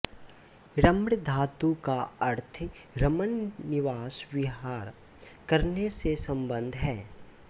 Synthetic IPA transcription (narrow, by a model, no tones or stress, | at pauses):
ɾəmɽd̪ʱaːt̪ukaɐɾt̪ʰ | ɾɐmənːɪʋaːswɪɦaːɾ | kɐɾnesesɐ̃mbə̃nd̪ʱɦɛː